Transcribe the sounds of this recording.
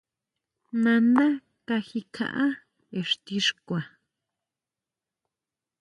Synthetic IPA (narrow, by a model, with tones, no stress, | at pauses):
nã˧nã˦ | ka˧xi˧kʰã̰˧ʔã˦ | e˨ʂt̪i˧ʂkʷa˨